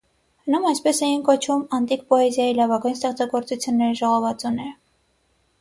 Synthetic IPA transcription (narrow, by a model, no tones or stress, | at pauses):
hənumɑjspɛsɛjinkɔt͡ʃʰumɑnt̪ik̚pɔɛzjɑjilɑvɑɡujns̬t̪ɛχt͡sɑɡɔɾt͡sut͡sʰjunːɛɾiʒɔʁɔvɑt͡sunɛɾ